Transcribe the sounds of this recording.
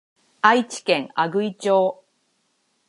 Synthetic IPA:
ait͡ɕi̥kẽ̞ŋaɡɯ̟it͡ɕoː

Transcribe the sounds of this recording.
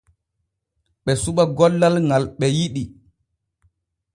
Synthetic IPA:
ɓɛsuɓaɡɔlːalŋalɓɛjiɗi

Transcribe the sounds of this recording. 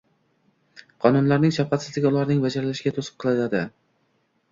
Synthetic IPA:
qʰɒnʊnlaɾnɪŋʃafqɑt̪sɪzɪɡʲaʊlˠaɾnɪŋvad͡ʒaɾlaʃɪɡʲat̪ʰosɨ̥qʰːɨlˠad̪ad̪ɪ

